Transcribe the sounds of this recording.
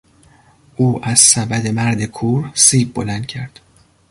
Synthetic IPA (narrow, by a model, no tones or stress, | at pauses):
ʔuːʔæz̥sæbæd̪e̞mæɾd̪e̞kʰuːɾsiːb̚bolænd̪̥̚cʰæɾd̪̥